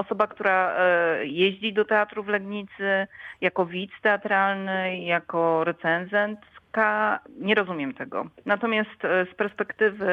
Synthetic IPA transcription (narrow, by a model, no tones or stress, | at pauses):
ɔsɔbakt̪uɾa | jeʑd͡ʑid̪ɔt̪ɛat̪ɾuvlɛɡɲit̪sɘjakɔvʲit̪st̪ɛat̪ɾalnɘjakɔɾɛt̪sɛnzɛnt̪kaɲɛɾɔzumʲjɛmt̪ɛɡɔ̰nat̪ɔmʲjast̪spɛɾspɛkt̪ɘvɘ